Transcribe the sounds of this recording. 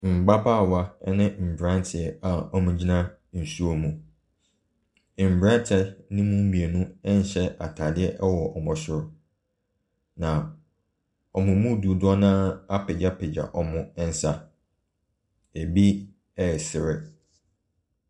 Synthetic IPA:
m̩˨ɡ͡ba˦baː˦˨wa˦ɛ˦nɪ̃˦m̩˨bɾã˦ntʰɪ˨ɛ˨a˨ɔ˦mʊ̃˦d͡ʑi˦nã˦ | n̩˨su˦o˨mũ˨ | m̩˨bɾã˦n˦tʰɛ˦nɪ̃˦mũ˦m̩˦bĩ˨e˨nũ˦ɛ˦n̩˦ɕɛ˦a̰˨tʰa˨dɪ˦ɛ˦ʔɛ˦wɔ˨ʔɔ˨mʊ̃˨ɕʊ˨ɾ | nã˨ | ɔ˨mʊ̃˨mũ˦du˨dʊ˦ɔ˦nãː˦a˦pɪ˨d͡ʑa˦pɪ˨d͡ʑa̰˨ʔɔ˨mʊ̃˦ɛ˦n̩˦sa˦ | e˨bi˦ | ɛ˨sɪ˨ɾɪ˦

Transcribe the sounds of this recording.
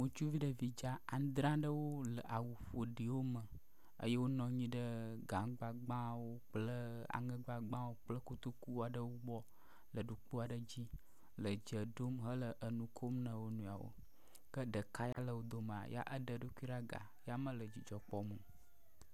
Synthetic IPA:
ŋũ˨t͡ʃu˦vi˦ɖə˨vi˨d͡ʒa˦a˨˦d̪ɾã˦ɖə˦wo˦lə˨ʔa˨wu˨ɸo˨ɖi˨wo˦mə̃˨ | ə̰˦jə˦wo˦nɔ̃˨ɲĩ˦ɖə˦ɡa˨mɡ͡ba˨ɡ͡bã˦wo˦k͡plə˦a̰˨ŋə̃˦ɡ͡ba˨ɡ͡bã˦wo˦k͡plə˦ku˦t̪u˦ku˦a˨ɖə˦wo˦bɔ˦ | lə˨ɖu˨k͡pu˦a˨ɖə˦d͡ʑi˦ | lə˨d͡ʒə˨ɖo˦mɦə˦lə˨ʔə˨nũ˨kʰo˦mnə̃˨wo˦nũ˨a˨wo̰˦ | kə˦ɖə˨ka˦ja̰˦lə˨wo˨d̪o˨mə˨a̰˨ja̰˦ʔə˦ɖə˨ɖu˦ku˦i˦ɖa˦ɡa̰˨ja˦mə̃˦lə˨d͡ʑi˨d͡ʒɔ˨k͡pɔ˦mə̃˨

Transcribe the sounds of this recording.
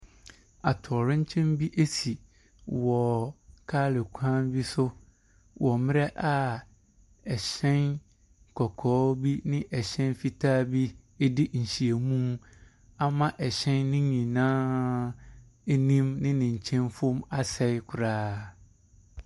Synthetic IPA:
a˨tʰɔ˨ɾɪ̃˦ɲ̩˦t͡ɕʰɛ̃˦nbi˦ʔe˦si˨ | wɔ˨kʰaː˦lɪ˨kʷʰãː˦nbi˦sʊ˦ | wʔɔ˨mɪ̃˦ɾɛ˦ʔa˨ | ɛ˨ɕɛ̃˦n | kʰɔ˨kʰɔː˨˦bi˦nɪ̃˦ʔɛ˨ɕɛ̃˦nfi˦tʰaː˦bi˦ | e˦dɪ˦ɲ̩˨ɕi˨e˨mũ˦m˦ | a˨mã˦ʔɛ˨ɕɛ̃˦nːɪ̃˦ɲĩ˨nãː˦ | e˦nĩ˦mnɪ̃˦nɪ̃˨ɲ̩˨t͡ɕʰɛ̃˦nfʊ̃˦ma˦sɛ˦kʰʊ˨ɾaː˦

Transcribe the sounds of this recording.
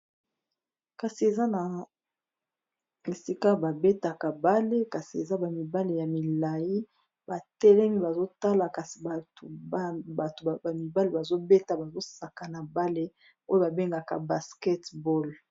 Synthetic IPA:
ka˨si˨e˨za˦na˨ | e˨si˦ka˦ba˨be˦ta˨ka˨ba˦le˦ka˨si˨e˨za˦ba˨mi˨ba˦le˨ja˨mi˨la˨ji˦ | ba˨tɛ˦lɛ˦mi˦ba˨zo˦ta˦la˨ka˨si̥˨a˨tu˨˦ba˨to˨ba˨mi˨ba˦le˦˨ba˨zo˦be˦ta˨ba˨zo˦sa˨ka˨na˨ba˦le˦ | o˦jo˦ba˨be˦ŋɡa˨ka̰˨ba˨skɛ˦tbɔ˦˨l

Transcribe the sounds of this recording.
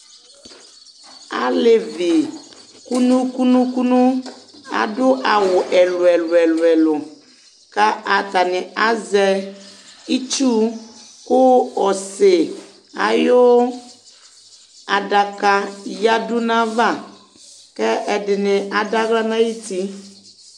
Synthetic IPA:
a̰˨le˨vi˨ | ku˦nũ˦ku˦nũ˦ku˦nũ˦a̰˨dʊ˦ʔa˨wʊ˨ʔɛ˨lʊ˨ɛ˨lɛ˨lʊ˨ɛ˨lʊ˨ | ka˦ʔa˨t̪a˨nɪ̃˨a˨zɛ˦ | i˦t͡ʃu˦ | kʊ˦ɔ˨se˨ | a̰˨jo˦ | a˨ɖa˨ka˦ja˦dʊ˦nã˦va˦˨ | kɛ˦ɛ˨dɪ˨nɪ˨ʔa˨da˦ɡla˦nã˦ji˦t̪i˦

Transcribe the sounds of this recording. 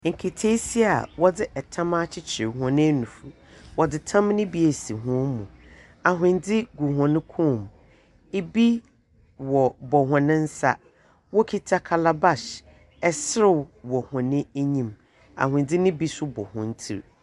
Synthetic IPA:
ŋ̩˨kʰe˨tʰe˦si˦a̰˨wɔ˦dɪ˦ʔɛ˨tʰã˦ma˦t͡ɕʰɪ˦t͡ɕʰɪ˨ɾɪ˨ɦɔ̃˨nɪ̃˦nũ˨fu˨ | wɔ˨dɪ˨tʰã˦m˦nɪ̃˦bi˦e˨si˨ɦʊ̃˦mṵ̃˨ | a˨ɦʊ̃˨ndɪ˦ɡu˨ɦɔ̃˨nɪ̃˦kʰũ˦˨m | e˦bi˦ | wɔ˨bɔ˨ɦɔ̃˨nɪ̃˦n̩˦sa̰˦ | wɔ˦kʰi˦tʰa˦kʰa˨la˦ba˦s | ɛ˨sɪ˦ɾɪ˦˨wwɔ˨hɔ̃˨nɪ̃˦ɲĩ˨m | a̰˨hʊ̃˨ndɪ˦nɪ̃˦bi˦sʊ˦bɔ˨hɔ̰̃˨n̩˦tʰḭ˦ɾ

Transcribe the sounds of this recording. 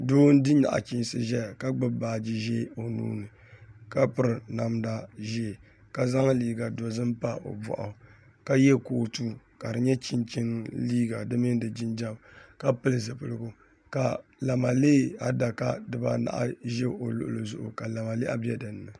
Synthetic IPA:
doː˦n˦dɨ˦ɲa̰˨ʔa̰˨t͡ʃi˦n˦sɨ˦ʒɛ˦˨ka˦ɡ͡bɨ˦baː˨d͡ʒi˦ʒe˦o˨nṵː˦nɨ˨ | ka˦pɨ˦ɾɨ˨na˨mda˦ʒe˦˨ | ka˨za˦ŋ˦liː˦ɡa˨do˨zɨ˦m˦pa˦ʔo̰˨bɔ̰˨ʔa˨ | ka˦jɛ˦koː˨tuː˦ | ka˨dɨ˨ɲɛ˦t͡ʃi˦nt͡ʃi˦nliː˦ɡa˨dɨ˦mɨ˦n˦dɨ˨d͡ʒɪ˦nd͡ʒa˦mka˦pɨ˦lɨ˨zɨ˨pɨ˨lɨ˨ɡʊ˦ | ka˨la˨ma˨leː˦a˦da˨ka˦dɨ˨ba˦na̰˨ʔa̰˦ʒe˦ʔo˨lʊ̰˨ʔlɨ˨zʊ̰˦ʔʊ̰˨ka˨la˨ma˨le˦a˦bɛ˦dɨ˨nː˦ɨ˨

